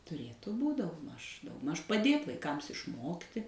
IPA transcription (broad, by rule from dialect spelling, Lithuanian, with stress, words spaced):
tʊˈrʲeːtʊ ˈbuːtʲ dɐʊɡˈmɐʃ dɐʊɡˈmɐʃ pɐˈdʲeːt ʋɐɪˈkɐms ɪʃˈmoːktʲɪ